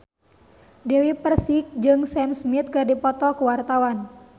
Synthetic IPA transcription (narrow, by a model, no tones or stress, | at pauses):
dɛwipərsik̚d͡ʒɨŋsɛmsmit̪̚kɨrdipɔt̪ɔkəwart̪awan